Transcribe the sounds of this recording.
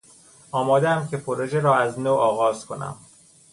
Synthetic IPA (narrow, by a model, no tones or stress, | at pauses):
ɒːmɒːd̪eæmcʰe̞pʰoɾoʒeɾɒːæznoːʔɒːɣɒːzkʰo̞næ̰m